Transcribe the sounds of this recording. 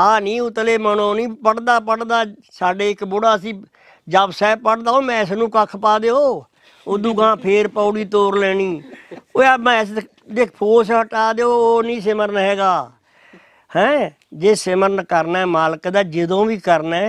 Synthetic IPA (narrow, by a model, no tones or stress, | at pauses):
aːnĩːʊt̪leːmənoːnĩːpəɽd̪aːpəɽd̪aːsaːɖeːɪkboːɽaːəsĩː | d͡ʒəbsɛːpəɽd̪aːoːmɛ̃ːɪs̬nũːkəkʰpaːd̪eːoː | od̪uːɡãːpʰeːɾpaːʊɽiːt̪oːɾlɛːɽ̃iːoːɛmɛ̃ːs | d̪eːkʰpʰoːs̬ɦəʈaːd̪eːoːoːnĩːsəməɾnɦɛːɡaː | hɛ̃ː | d͡ʒeːsɪməɾnkəɾnɛːmaːləkd̪aːd͡ʒɪd̪õːʋiːkəɾnɛː